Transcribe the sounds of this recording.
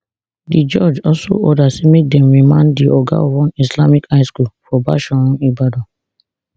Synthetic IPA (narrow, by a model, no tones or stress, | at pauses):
did͡ʒɔd͡ʒɔlso̰ʔɔdasɛmek̚dɛ̃mɹimãnddiʔɔɡa̰ɔwɔ̃nislamikaɪskulfɔba̰ʃaɔ̃nibadɔ